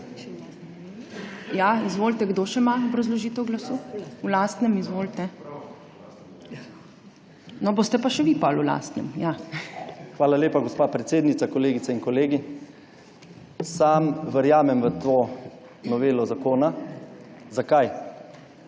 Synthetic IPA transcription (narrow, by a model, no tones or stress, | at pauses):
jaizʋoːlt̪ɛɡd̪oːʃɛmaɔbɾɐzlɔʒiːt̪ɛwɡlasuːulaːst̪nɛmizʋoːlt̪ɛ | nɔboːst̪ɛpaʃɛʋiːpalula̰ːst̪nɛ̰mja | xʋaːlaleːpaɡɔspaːpɾet̪seːd̪nit̪akɔleːɡitsɛinkɔleːɡi | samʋəɾjaːmɛmʋət̪oː | nɔʋeːlɔzakoːna | zakaj